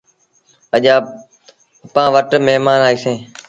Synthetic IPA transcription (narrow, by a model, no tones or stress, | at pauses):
əʄaː | pãːʋəʈmeɦmaːnaːiːsẽː